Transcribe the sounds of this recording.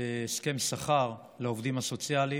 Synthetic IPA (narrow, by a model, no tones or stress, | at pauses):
eske̞msaχaʁ | laovd̪imaso̞t͡sjali